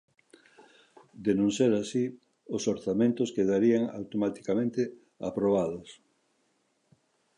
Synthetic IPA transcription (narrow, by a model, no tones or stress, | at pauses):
d̪enõnseɾasi | ʊsoɾθamẽnt̪ʊskeðaɾiaŋa̰wt̪omat̪i̥kamẽnt̪e | a̰pɾoβaðos